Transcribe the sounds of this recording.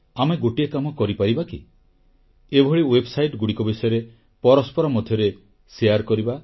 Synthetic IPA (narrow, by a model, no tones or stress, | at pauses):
ameɡoʈiekamɔkɔɾipaɾibakḭ | ebʱɔɭiwebsajʈɡuɽikɔbisɔjɔɾe | pɔɾɔspɔɾɔmɔd̪ʱjɔɾe | sejaɾkɔɾiba